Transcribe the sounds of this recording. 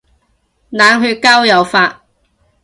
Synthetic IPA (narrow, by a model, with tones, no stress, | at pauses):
naː˨˧ŋɦyː˧t̚kaː˥wjɐ˨˧wfaː˧t̚